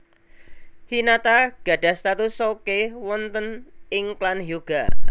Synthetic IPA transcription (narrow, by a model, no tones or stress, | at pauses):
hinat̪aɡ̥a̤ɖ̥ä̤st̪at̪usokewɔnt̪ənɪŋklanɦjuɡ̥a